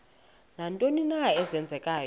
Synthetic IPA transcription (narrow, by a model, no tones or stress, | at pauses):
nantʼoninaɛzɛnd͡zʱɛkʼaːj